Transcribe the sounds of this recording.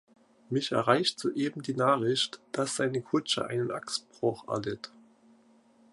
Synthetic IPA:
mɪçɛ̰ɐʁaɪçtz̥oːʔeːbm̩diːnaːχɪçtd̥asz̥aɪnəkʰʊt͡ʃə̰ʔa̰ɪnənʔaksb̥ʁ̥ʊχɛ̰ɐlɪt

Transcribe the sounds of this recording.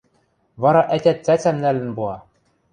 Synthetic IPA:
vɑɾɑʔæt̪ʲæt̪t͡sæt͡sæmnælɘ̆nbuɑ

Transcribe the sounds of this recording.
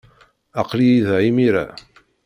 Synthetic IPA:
ɑqlijiðʕimiɾa̰

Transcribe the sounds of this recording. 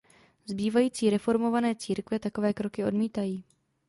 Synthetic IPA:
zbiːvajiːt͡siːɾɛfo̞ɾmo̞vanɛːt͡siːɾkvjɛt̪ako̞vɛːkɾo̞kɪo̞̰dmiːt̪ajiː

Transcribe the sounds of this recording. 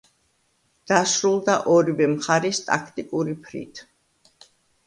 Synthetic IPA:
d̪̥asɾulˠd̪aʔɔɾivɛmχaɾɛst̪ʼa̰kʰt̪ʼikʼuɾipʰɾḭt̪ʰ

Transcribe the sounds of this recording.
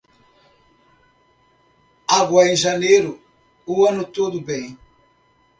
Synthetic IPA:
aɡwɐẽʒɐnejɾʊ | uɐ̃nʊt̪od̪ʊbẽj̃

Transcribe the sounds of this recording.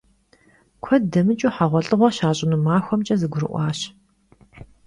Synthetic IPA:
kʷʰɔdɐmɨt͡ʃʼuːħaʁʷɔɬʼɨʁʷɔʃaːɕʼɪnuːmaːxʷɔmt͡ʃʼɐzɨɡʷʊɾɨ̰ʔʷɑːɕ

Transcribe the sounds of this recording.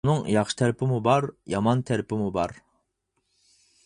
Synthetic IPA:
nɨŋjɑχʃɨ̥t̪ʰæɾɪpʰɪmubɑɾjɑmɑnt̪ʰæɾɪpʰɪmubɑɾ

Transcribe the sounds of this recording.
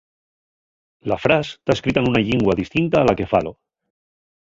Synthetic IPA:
lafɾast̪aeskɾit̪aenunaʎiŋɡwaðist̪int̪aːlakefa̰lo

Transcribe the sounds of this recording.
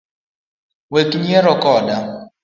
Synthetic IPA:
wekiɲieɾʊkɔda

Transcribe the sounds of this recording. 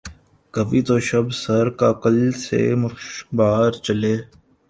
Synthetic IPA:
kəʋiːt̪oːʃəbsɐɾkaːkəlsḛːmʊʃbaːɾt͡ʃəleː

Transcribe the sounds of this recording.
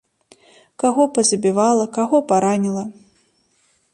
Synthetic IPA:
kaɣɔpɐzɐbʲivalˠɐkaɣɔpaɾanʲilˠɐ

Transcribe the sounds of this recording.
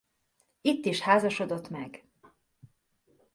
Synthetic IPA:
it̪ːiʃhaːzɒʃo̞d̪o̞t̪mɛɡ

